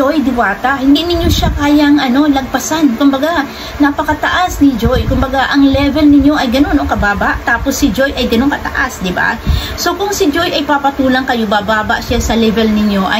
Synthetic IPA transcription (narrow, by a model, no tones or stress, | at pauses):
ojd̪ɪwaːt̪ɐhɪnd̪iʔnɪɲjoʃakaːjɐŋʔɐno̞lɐɡ̚pɐsankʊmbɐɡa | nɐpɐkɐt̪ɐʔasnɪd͡ʒojkʊmbɐɡaʔɐŋlɛvɛlnɪɲːo̞ʔɐjɡɐno̞nʔoŋkɐbaːbaʔt̪aːposːɪd͡ʒo̞jʔɐjɡɐnoŋkɐt̪ɐ̰ʔasd̪ɪba̰ | so̞kʊŋsɪd͡ʒo̞jɐjpapɐt̪uːlɐŋkɐjobabaːbɐʔʃasɐlɛvɛlnɪɲo̞ʔɐ̰